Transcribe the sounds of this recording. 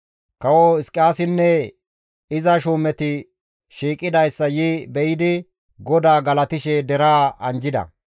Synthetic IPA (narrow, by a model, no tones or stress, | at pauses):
kɐwɔɪskʼːaːsɪnːɛ | ɪzɐʃuːmɛt̪ɪ | ʃiːkʼːɪd̪ɐjsːɐjɪbɛjɪd̪ɪ | ɡɔd̪aːɡɐlɐt̪ɪʃɛd̪ɛɾaːɐnd͡ʒɪd̪ɐ̰